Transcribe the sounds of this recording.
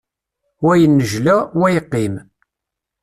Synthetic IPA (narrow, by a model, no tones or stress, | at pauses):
wæjənːəʒlæwæjəqːim